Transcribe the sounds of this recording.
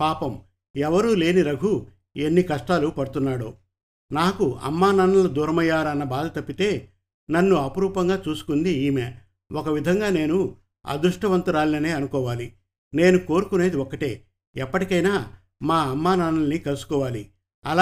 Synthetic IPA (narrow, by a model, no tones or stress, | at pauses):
paːpɐm | ɛʋɐɾuːle̞ːniɾɐɡʱu | e̞nːikɐʂʈaːlupɐɽut̪unːaːɽo̰ː | naːkuɐ̰mːaːnɐnɐlɐd̪uːɾɐmɐjːaːɾɐnːɐbaːd̪ʱɐt̪ɐpːit̪e̞ː | nɐnːuɐpɐɾuːpɐŋɡaːt͡ʃuːsu̥kund̪iiːmeː | ɔkɐʋid̪ʱɐŋɡaːne̞ːnu | ɐ̰d̪ɾuʂʈɐʋɐnt̪uɾaːlinɐne̞ːɐnukɔːʋaːli | ne̞ːnuko̞ːɾukune̞ːd̪iɔkːɐʈe̞̰ː | ɛpːɐʈikɐjnaː | maːɐmːaːnɐnɐlnikɐlusu̥kɔːʋaːli | ɐla